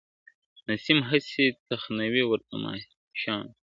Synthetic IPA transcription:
nɐsimɦɐsit̪ɐxnɐwiwɐɾp̪ɐma̰ːi | ɕãːn

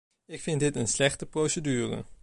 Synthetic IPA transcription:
ɪkfɪntdɪtənslɛχtəprowsədyːrə̰

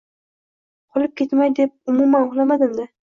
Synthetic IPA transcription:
qʰɒlˠɪp̚kʲʰe̞t̪majd̪ep̚ʊmumanʊχlamad̪ɪmd̪ɪ

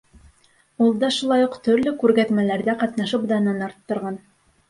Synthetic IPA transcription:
ulˠd̪ɑʃulˠɑjuqt̪ɵ̆ɾlɵkʉɾɡæt̪mælæɾðæqɑt̪nɑʃɤpd̪ɑnɑnɑɾt̪ːŏɾʁɑn

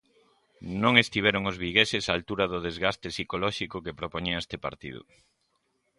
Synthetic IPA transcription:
nõŋest̪iβɛɾoŋʊzβiɣesɪsaːlt̪uɾɐðʊðezɣast̪esikolɔʃikʊkepɾopoɲiɐest̪epa̰ɾt̪ḭðʊ̰

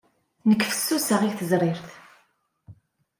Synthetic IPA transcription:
nəkːfə̥sːusəʁiθəzɾˤiɾθ

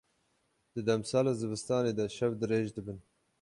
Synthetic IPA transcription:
d̪̥ɨd̪ɛmsɑːlaːzɨbɨst̪ɑːneːd̪ɐʃɛvd̪ɨɾeːʒd̪ɨbɨn

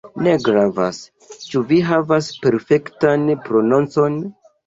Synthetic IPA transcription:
ne̞ɡɾava̰s | t͡ʃuviɦavaspe̞ɾfe̞ktanpɾo̞nont͡so̞n

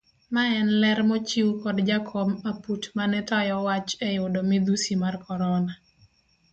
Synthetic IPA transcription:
maɛnlɛɾmɔt͡ʃiwkɔdd͡ʒakʰɔmaputmanɛt̪ɔjɔwat͡ʃɛjʊdɔmɪd̪usimarkɔɾɔna

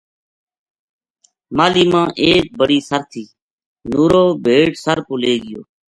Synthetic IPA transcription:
maːliːmãːʔeːk̚bəɽiːsəɾt̪ʰiː | nuːɾoːbʱeːʈsəɾpʊleːɡɪjo̰ː

